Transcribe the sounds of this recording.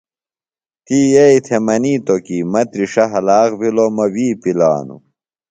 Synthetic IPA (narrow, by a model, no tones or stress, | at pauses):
t̪iːjeit̪ʰemɐniːt̪okiːmɐt̪ɾiʂɐɦɐlaːɣbilomɐwiːpila̰ːnṵ